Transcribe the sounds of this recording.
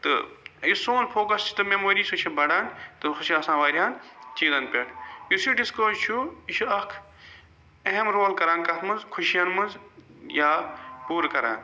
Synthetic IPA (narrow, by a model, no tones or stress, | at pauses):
t̪ɨ̰jusoːnpʰoːkɐst͡ʃʰu̥t̪ɨmemoːɾiːsut͡ʃʰibɐɽaːnt̪ɨxuʃiaːsãːʋaːɾʲijaːnt͡ʃiːzɐnpʲɐʈʰjusiɖiskoːzt͡ʃʰuiʃʰuɐkʰ | ɐɦemɾoːlkɐɾaːnkɐt̪ʰmɐnzkʰuʃjɐnmɐnzjaːpuːɾkɐɾa̰ːn